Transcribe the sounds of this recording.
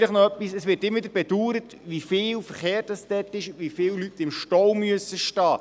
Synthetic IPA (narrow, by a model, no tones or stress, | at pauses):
ləχnoœpːisɛsʋɪːtɪmːʋdəɾbɛduːɾət | ʋifɪːlfəɾχeːɾtɑsd̥ɛtɪʃʋifɪːllytːɪmʃtɔwmyəsːəʃtɑː